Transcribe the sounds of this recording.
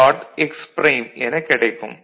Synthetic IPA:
aːʈɛkspɾeːmɛnɐkːɪɽɐɪkːɯm

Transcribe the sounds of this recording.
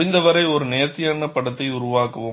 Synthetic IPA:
ɪnd̪ɐʋɐɾɐɪɔɾɯneːt̪ːɪjɐɳːɐpːɐɽɐt̪ːɐɪʊɾʊʋaːkɐʋɯ

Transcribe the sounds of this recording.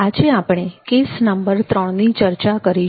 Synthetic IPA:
ad͡ʒeapɽ̃ekesnəmbəɾt̪ɾəɳnit͡ʃəɾt͡ʃakəɾi

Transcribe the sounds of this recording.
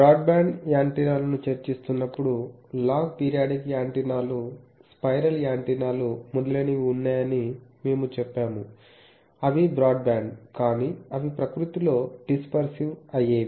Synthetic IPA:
bɾaːɖbaːɳɖjaːɳʈinaːlɐnut͡ʃɐɾt͡ʃist̪unːɐpːuɽulaːɡ̚piːɾijaːɖikjaːɳʈinaːluspɐjɾɐljaːɳʈinaːlumud̪ɐleːniʋiunːaːjɐnime̞ːmut͡ʃɛpːaːmu | ɐʋibɾaːɖ̚baːɳɖkaːniːɐʋipɾɐkɾut̪ilo̞ːɖispɐɾsiʋɐjeː

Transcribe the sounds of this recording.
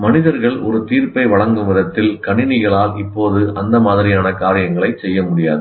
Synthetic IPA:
mɐnɪðɐɾɣɐɭɔ̰ɾɯt̪iːɾpɐɪʋɐɭɐŋɡɯmɪðɐt̪ːɪlkɐɳɪnɪɣɐɭaːlɪpːoːðɯʔɐnd̪ɐmaːðɪɾɪjaːnɐkaːɾɪjɐŋɡɐɭɐɪt͡ʃɛjːɐmʊɽɪja̰ːðɯ

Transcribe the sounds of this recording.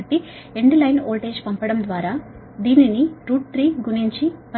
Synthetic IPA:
ʈːi | eɳɖilɐjnoːʈe̞ːd͡ʒpɐmpɐɽɐmd̪ʋaːɾaː | d̪iːniniɾuːʈ̚t̪ɾiːɡuniɲt͡ʃipɐ

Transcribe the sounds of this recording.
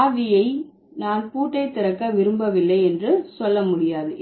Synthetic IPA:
ʋɪjɐɪ | naːnpuːʈːɐɪt̪ːɪɾɐkːɐʋɪɾɯmbɐʋɪlːɐɪɛndrɯsɔlːɐmʊɽɪjaːðɯ

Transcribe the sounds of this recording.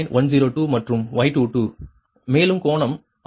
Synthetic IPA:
nʋɐnziːɾoːʈuːmɐʈrɯmʋɐɪʈːuːʈuː | meːlɯmkoːɳɐm

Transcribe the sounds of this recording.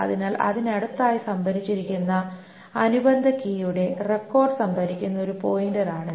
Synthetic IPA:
ɐ̰ðinaːlʔɐ̰ðinɐɽut̪ːaːjisɐmbʱɐɾit͡ɕːiɾikʲːunːɐ | ɐnubɐnd̪ʱɐkiːjuɽe̞rekːo̞ːrɖɨsɐmbʱɐɾikʲːunːɐo̞ɾupo̞ːjindɐraːɳɨ

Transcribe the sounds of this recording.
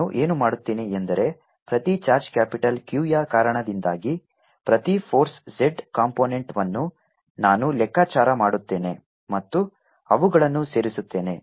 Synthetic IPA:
uʔe̞ːnumaːɽut̪ːeːneend̪ɐɾe̞ | pɾɐt̪it͡ʃaːɾd͡ʒkaːpiʈɐlkjuːjaːkaːɾɐɳɐd̪ind̪aːɡi | pɾɐt̪ipʰoːɾsd͡ʒeɖkaːmpoːneɳʈʋɐnːu | naːnulɛkːaːt͡ʃaːɾɐmaːɽut̪ːe̞ːne̞ | mɐt̪ːu | ɐʋuɡɐɭɐnːuse̞ːɾisut̪ːe̞ːne̞̰

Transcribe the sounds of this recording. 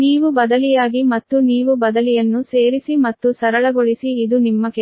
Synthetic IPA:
niːʋubɐd̪ɐlijaːɡimɐt̪ːuniːʋubɐd̪ɐlijɐnːuse̞ːɾisimɐt̪ːusɐɾɐɭɐɡoɭisiːd̪unimːɐke

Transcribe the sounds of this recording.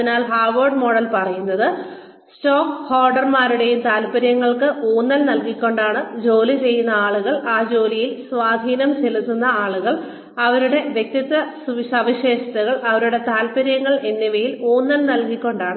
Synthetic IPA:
ɐinaːlɦaːrʋɐrɖmo̞ːɽɐlpɐrɐjunːɐðɨ | sʈo̞ːkhoːrɖɐrmaːɾuɽe̞jumt̪aːlpɐɾjɐŋːɐɭkɨʔoːnːɐlnɐlkikʲːo̞ɳɖaːɳɨd͡ʑo̞ːlit͡ɕe̞jːunːɐaːɭuɣɐɭaːd͡ʑo̞ːlijilsʋaːd̪ʱiːnɐmt͡ɕelut̪ːunːɐaːɭuɣɐɭ | ɐʋɐɾuɽe̞ʋjek̚t̪it̪ːɐssɐʋiɕeːɕɐt̪ɐɣɐɭɐʋɐɾuɽe̞t̪aːlpɐɾjɐŋːɐɭe̞nːiʋɐjilo̞ːnːɐlnɐlkikʲːo̞ɳɖaːɳɨ

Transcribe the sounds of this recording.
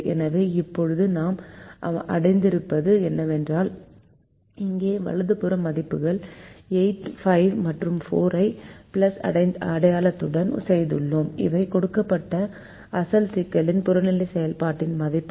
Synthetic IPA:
ɛ̰nɐʋeːɪpːɔɻɯðɯnaːmʔɐ̰ɽɐɪnd̪ɪɾɯpːɐðɯɛnːɐʋɛndraːl | ɪŋɡeːʋɐ̰ɭɐðɯpɯɾɐmɐðɪpːɯɣɐɭɛɪʈfɐɪʋmɐʈrɯmfoːɾɐɪpɪlɐsɐ̰ɽɐɪnd̪ɐɐɽɐjaːlɐt̪ːɯɽɐn̰sɐjðɯɭːoːmɪ̰ʋɐɪkɔɽɯkːɐpːɐʈːɐ | ɐsɐlsɪkːɐlɪnpʊɾɐnɪlːɐɪsɛjɐlpaːʈːɪnmɐðɪpːɯ

